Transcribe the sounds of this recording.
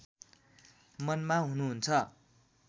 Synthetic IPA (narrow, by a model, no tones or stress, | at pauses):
mʌnmaɦunuɦunt͡sʰʌ